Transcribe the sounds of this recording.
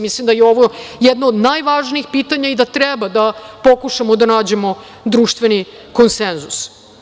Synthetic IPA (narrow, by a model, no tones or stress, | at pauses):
mislimd̪ajeo̞ʋojɛd̪noːd̪najʋaːʒniixpiːt̪aɲaid̪at̪ɾɛbad̪apo̞kuʃamod̪anaːd͡ʑe̞mo̞ | d̪ɾuːʃt̪ʋeni | ko̞nsenzus